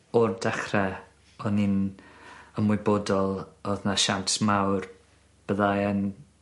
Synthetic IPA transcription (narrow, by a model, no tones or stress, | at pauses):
ɔrdɛχrɛ | ɔnin | əmwɪboːdɔlˠɔðnaʃantʰmawr | b̥əðajən